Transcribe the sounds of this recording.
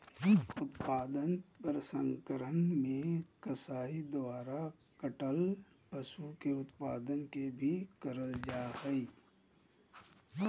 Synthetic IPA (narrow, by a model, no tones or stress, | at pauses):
ʊt̪paːd̪ənpəɾsə̃ŋkəɾənmẽkəsaːid̪ʊaːɾa | kəʈəl | pɐsukeʊt̪pa̰ːd̪ənkebʱikəɾəld͡ʒaːɾəiː